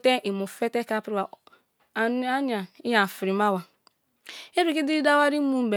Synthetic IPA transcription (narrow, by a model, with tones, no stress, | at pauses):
te˦ʔi˨mu˨fe˦te˦ka˦˨pɾi˦a˨˦ | a˦n˦a˨i˦ja˨fi˨ɾi˨ma˦wa˨ | e˦ɾi˨ki˦di˦i˦da˦wa˦ɾi˦mu˦m̩˨be˨